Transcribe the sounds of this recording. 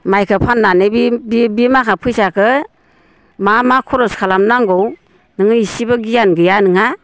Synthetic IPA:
majkʰɯpʰanːanebibbimakʰapʰɯjsakʰɯ | mamakʰɔɾɔskʰalamnaŋɡɔw | nɯŋɯisibɯɡijanɡɯjanɯŋa

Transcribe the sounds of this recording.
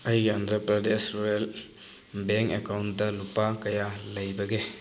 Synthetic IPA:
ɐjɡandɾɐpɾɐdesɾuel | beŋkekawnt̚dɐlupakɐjalɐjbɐɡe

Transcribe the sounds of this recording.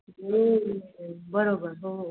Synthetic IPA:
e | bəɾobəɾɦo

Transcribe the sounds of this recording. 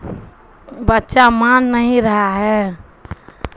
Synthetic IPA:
bətːʃamanːəɦĩɾəɦaɦɛ

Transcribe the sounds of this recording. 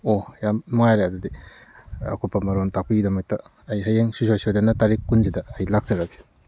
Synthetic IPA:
ojamːɐŋajɾeɐdɐdi | ɐ̰kʰopɐmɐɾontak̚piɡidɐmɐk̚tɐ | ɐjɦɐjeŋsusojsodanɐtaɾikːunzidɐːjlak̚zɐɾɐke̥

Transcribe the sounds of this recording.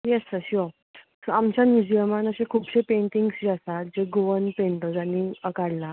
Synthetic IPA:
jɛsəɕio | soamt͡ɕanjud͡ʑiəmanəɕekʰuːpɕepeɳʈiŋɡsd͡ʑasat̪̚d͡ʑeɡoʋənpẽɳʈ̪əd͡zaniəkaɽla

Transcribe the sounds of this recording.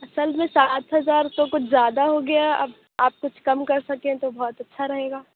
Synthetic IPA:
ɐsəlmẽsaːt̪ɦɐzaːɾt̪okʊt͡ʃʰzjaːd̪aɦoɡɐjaɐ̰b | aːp̚kʊt͡ʃʰkɐmkɐɾsɐkẽt̪obɔːt̪ɐtːʃʰaɾɐɦeːɡaː

